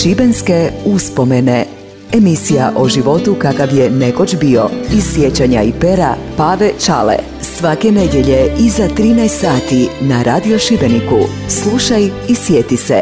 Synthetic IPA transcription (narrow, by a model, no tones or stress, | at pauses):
ʃibe̞nske̞uspo̞me̞ne | emisijaʔo̞ʒiʋo̞t̪ukakaʋje̞ne̞ko̞t͡ʃbio̞isʋjet͡ɕaɲaipe̞ɾa | paːʋet͡ʃalḛ | sʋake̞ne̞d̪je̞ʎe̞izat̪ɾiːnaest̪saːt̪inaɾaːd̪io̞ʃibe̞niku | slˠuʃajisʋjet̪ise